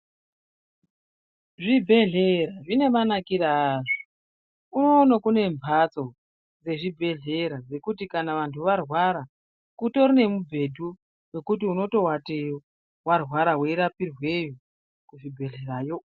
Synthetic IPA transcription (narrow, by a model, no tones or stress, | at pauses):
ʐibʱe̞ɮe̞ɾaʐine̞manakiɾaːʐo | uno̞ːnakune̞ɱvʱat͡so̞ | d͡ze̞ʐibʱe̞ɮe̞ɾad͡ze̞kutikanaʋantʰuʋarwaɾa | kuto̞rine̞mubʱe̞dʱu | we̞kut̬iuno̞to̞watejo | warɦwaɾawe̞iɾapirwe̞jo | kuʐibʱe̞ɮe̞ɾaːjo